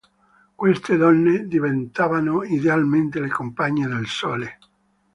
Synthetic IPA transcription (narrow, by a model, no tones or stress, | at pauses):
kwest̪ed̪ɔnːed̪ivent̪aːvanoid̪ealment̪elekompaɲːed̪elsoːle